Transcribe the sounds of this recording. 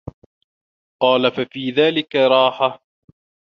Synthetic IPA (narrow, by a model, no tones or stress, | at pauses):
qɑːlafafiːðaːlɪkaɾˤɑːħa